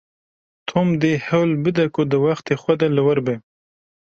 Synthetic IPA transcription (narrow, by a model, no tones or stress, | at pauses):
t̪ʰomd̪ehawlbɪd̪akod̪əwaxt̪exwad̪alawaɾbe